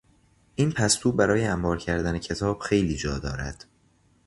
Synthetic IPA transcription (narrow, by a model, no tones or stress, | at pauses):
ʔiːnpʰæst̪uːbæɾɒːjeæmbɒːɾcʰæɾd̪ænecʰe̞t̪ʰɒːb̥xe̞jliːd͡ʒɒːd̪ɒ̰ːɾæ̰d̪̥